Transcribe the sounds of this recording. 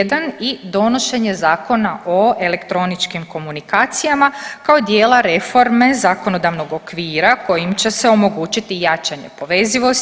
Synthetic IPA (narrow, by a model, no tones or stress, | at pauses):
d̪anid̪o̞no̞ʃe̞ɲe̞zaːko̞naʔo̞e̞le̞kt̪ɾo̞nit͡ʃkimko̞munikaːt̪sijamakaod̪je̞ːlˠaɾe̞fo̞ɾme̞zako̞no̞d̪aʋno̞ɡo̞kʋiːɾako̞jimt͡ɕe̞se̞o̞mo̞ɡuːt͡ɕit̪ijat͡ʃaɲe̞̰po̞ʋe̞ziʋo̞s